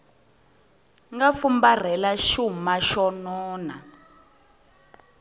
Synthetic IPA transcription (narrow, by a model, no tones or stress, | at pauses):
ŋɡafumbar̤ɛlaʃumaʃɔnɔːna̰